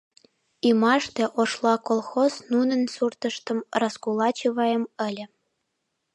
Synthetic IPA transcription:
imɑʃt̪ĕʔoʃlˠɑkolˠxoznunə̆nsurt̪ə̆ʃt̪ə̆mrɑskulɑt͡ɕiβɑjəmə̆lʲə̆

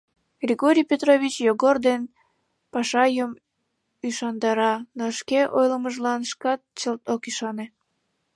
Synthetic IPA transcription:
ɡ̥rʲiɣoɾʲijpʲet̪roβʲit͡ɕjoɣord̪en | pɑʃɑjəm | yʃɑnd̪ɑɾɑnoʃkeʔojləməʒlɑnʃkɑt̪̚t͡ɕəlt̪okiʃɑne

